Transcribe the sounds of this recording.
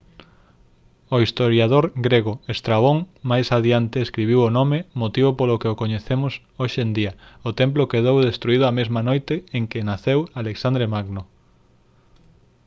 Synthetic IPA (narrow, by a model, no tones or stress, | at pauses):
oist̪oɾjaðoɾɡɾeɣoest̪ɾaβ̞oŋmajsaðjant̪eːskɾiβ̞iwonomemot̪iβopolokeokoɲeθemʊs | oʃend̪iɐʊt̪emplokeð̞owðest̪ɾuið̞ʊamezmɐnojt̪ɪeŋkɪnaθewaleksand̪ɾemaɡno